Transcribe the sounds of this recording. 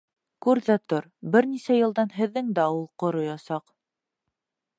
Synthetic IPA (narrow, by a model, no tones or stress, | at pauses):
kʉɾðæt̪oɾbɘɾnisæjɤ̆lˠd̪ɑnɦɘ̆ðːɘŋd̪æulˠqŏɾojɑsɑq